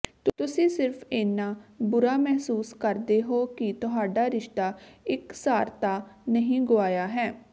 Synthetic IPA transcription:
t̪t̪ʊsĩːsɪɾpʰeːnːaːbʊɾaːmɛɦsuːskəɾd̪eːɦoːkɪt̪ʊɦaːɖaːɾɪʃt̪aːɪksaːɾt̪aːnəɦĩːɡʊaːjaːɦɛː

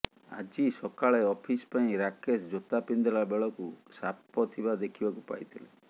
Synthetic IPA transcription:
a̰d͡ʒisɔkaɭeɔpʰispaĩɾakesd͡ʒot̪apind̪ɔɭabeɭɔkusapɔt̪ʰibad̪ekʰibakupa̰jt̪ʰile

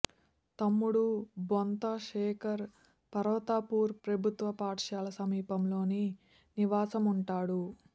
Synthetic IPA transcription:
t̪ɐmːuɽubont̪ɐʂɛːkʰɐɾ | pɐɾɐʋɐt̪aːpuːɾpɾɐbʱut̪ʋɐpaːʈʂaːlɐsɐmiːpɐmlo̞ːni | niʋaːsɐmuɳʈaːɽu

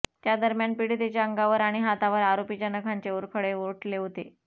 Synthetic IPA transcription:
t̪jad̪əɾmjanpiɽit̪et͡ɕjaəŋɡaʋəɾaɽ̃iɦat̪aʋəɾaɾopit͡ɕjanəkʰaɲt͡ɕeuɾkʰəɽeʋoʈleɦot̪e

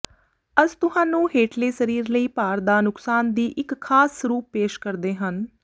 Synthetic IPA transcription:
əzt̪ʊɦãːnũːɦeːʈleːsəɾiːɾləiːpaːɾd̪aːnʊksaːnd̪iːʔɪkʰːaːsɾuːpːeːʃkəɾd̪eːɦən

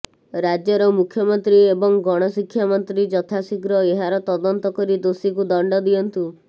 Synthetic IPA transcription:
ɾad͡ʒjɔɾɔmukʰjɔmɔnt̪ɾiebɔŋɡɔɽ̃ɔsikʰːjamɔnt̪ɾid͡ʒɔt̪ʰasiɡɾɔeɦaɾɔt̪ɔd̪ɔnt̪ɔkɔɾid̪osikud̪ɔɳɖɔd̪iɔnt̪u

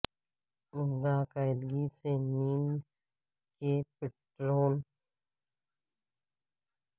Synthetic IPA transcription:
ʊŋɡaːkaːɪd̪ɡiseniːn | kepeʈɾoːl

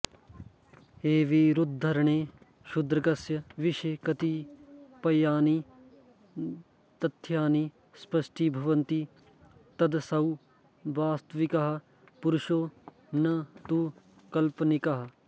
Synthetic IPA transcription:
eːʋiɾʊd̪̚d̪ʱɐɾɳeː | ʃʊd̪ɾɐkɐsjɐʋɪʃkɐt̪ipɐjaːniː | t̪ɐt̪ʰːjaːniː | spɐʃʈiːbʱɐʋɐnt̪i | t̪ɐd̪sɐw | ʋaːst̪ʋɪkɐɦɐ | pʊɾʊʃoː | nɐt̪uː | kɐlpnɪkaɦɐ

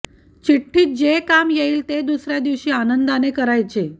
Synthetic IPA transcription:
t͡ɕiʈʰːiːt̪̚d͡ʑekamjeiːlt̪ed̪usɾjad̪iʋɕiːanənd̪anekəɾajt͡se

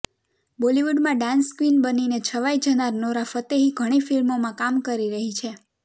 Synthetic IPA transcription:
boliʋuɖmãɖãnskʋinbəninet͡ʃʰəʋajd͡ʒənaɾnoɾafət̪eɦiɡʱəɽ̃ifilmomãkamkəɾiɾəɦit͡ʃʰe

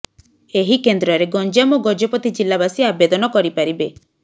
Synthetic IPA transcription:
eɦikend̪ɾɔɾeɡɔnd͡ʒamɔɡɔd͡ʒɔpɔt̪id͡ʒilːabasiabed̪ɔnɔkɔɾipaɾibe

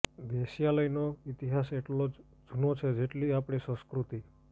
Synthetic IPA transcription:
d̪esijaləjnoit̪iɦaseʈlo | d͡ʒʱunot͡ʃʰed͡ʒeʈliapɽ̃isə̃skɾut̪i

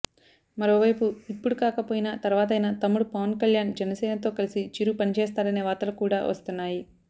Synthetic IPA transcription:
mɐɾo̞ːʋɐjpuipːuɽukaːkɐpoːjinaːt̪ɐɾʋaːt̪̬ɐjnɐt̪ɐmːuɽupɐʋɐnkɐljaːnd͡ʒɛnɐsɛːnɐt̪o̞ːkɐlisit͡ʃiɾupɐnit͡ʃɛːst̪aːɾɐneːʋaːt̪ɐlukuːɽaːʋɐ̰st̪unːaːji

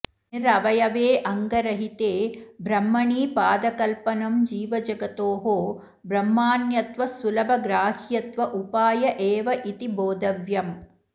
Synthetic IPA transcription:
iɾɐʋɐjɐʋeːʔɐŋɡɐɾɐɦit̪eːbɾɐmːɐɳiːpaːd̪ɐkɐlpɐnɐmd͡ʒiːʋɐd͡ʒɐɡɐt̪oːɦoː | bɾɐmːaːnjɐt̪ʋɐsulɐbʱɐɡɾaːhjɐt̪ʋɐʔupaːjɐʔeːʋɐʔit̪iboːd̪ɐʋjɐm

